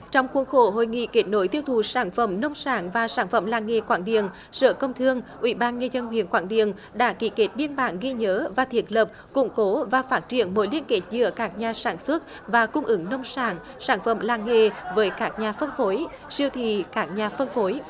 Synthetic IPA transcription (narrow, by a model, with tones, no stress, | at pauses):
t͡ɕɔ˧wŋ͡mxu˨˦ənxo˧˩ɦo̰˧˨jŋḭ˧˨ke˦˥t̚no˨˦jt̪i˧əwt̪ʰu˨˩saː˧˩nfə˧˩mnə˧wŋ͡msaː˧˩nvaː˨˩saː˧˩nfə̰˧˩mlaː˨˩ŋŋe˨˩kwaː˧˩nɗḭ˧˨ən | sə̰ː˧˨kə˧wŋ͡mt̪ʰɨ˧əŋʔwḭ˧˩ɓaː˧nŋə˧zə˧nhwḭ˧˨ənkwaː˧˩nɗḭ˧˨ən | ɗa̰ː˧˥ki˧˩ke˦˥t̚ɓi˧ənɓa̰ː˧˩nɣi˧ɲəː˨˦vaː˨˩t̪ʰi˨˩ət̚lə˨˩p̚ | kʊ̰˧˥ŋ͡mko˨˦vaː˨˩faː˦˥t̚t͡ɕḭ˧˩˨ənmo˨˦jlḭ˧˥ənke˨˦˥t̚zɨ̰˧˨əkaː˦˥k̚ɲaː˨˩saː˧˩nswə˦˥t̚ | vaː˨˩kʊ˧ŋ͡mʔɨ˨˦ŋnə˧wŋ͡msaː˧˩n | saː˧˩nfə̰˧˩mlaː˨˩ŋŋe˨˩vəː˨˦jkaː˦˥k̚ɲaː˨˩fə˧nfo˨˦j | si˧əwt̪ʰḭ˧˨kaː˦˥k̚ɲaː˨˩fə˧nfo˨˦j